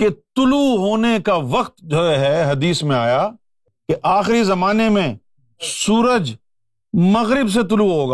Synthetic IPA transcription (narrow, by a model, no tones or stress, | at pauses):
ket̪ʊluɦoːnekaʋɐqt̪d͡ʒoɦɛɦɐd̪iːsmẽaːja | keʔaːxɾizɐmaːnemẽ | suːɾəd͡ʒ | mɐɣɾɪbs̬et̪̬ʊluɦoːɡaː